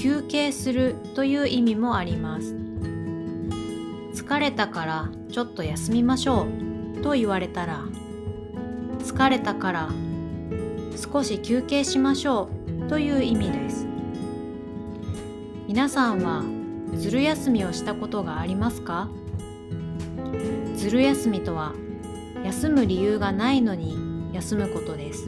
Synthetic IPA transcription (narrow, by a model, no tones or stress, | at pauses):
kʲɨːke̞ːsɨɾɯ̟t̪o̞jɯ̟ːʔimʲimo̞aɾʲimasɨ̥ | t͡sɨ̥kaɾe̞t̪akaɾa | t͡ɕo̞t̪ːo̞jasɨmʲimaɕo̞ːt̪o̞iβaɾe̞t̪aɾa | t͡sɨ̥kaɾe̞t̪akaɾa | sɨ̥ko̞ɕikʲɨːke̞ːɕimaɕo̞ːt̪o̞jɯ̟ːimʲid̪e̞sɨ̥ | mʲinasãɰ̃βa | d͡zɨɾɯ̟jasɨmʲio̞ɕi̥t̪ako̞t̪o̞ɡaːɾʲimasɨ̥ka | d͡zɨɾɯ̟jasɨmʲit̪o̞β̞a | jasɨmɯ̟ɾʲijɯːɡanaino̞ɲ̟ijasɨmɯ̟ko̞t̪o̞d̪e̞sɨ̥